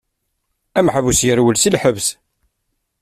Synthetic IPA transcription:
æmħəvusjəɾwəlsilħəvs

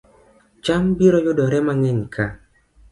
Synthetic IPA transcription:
t͡ʃambiɾɔjodɔɾɛmaŋɛɲkʰa

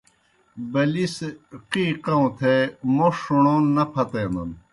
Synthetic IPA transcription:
bɐlisqiːqɐũt̪ʰemoʂuɳõnɐpʰɐt̪enɐ̰n

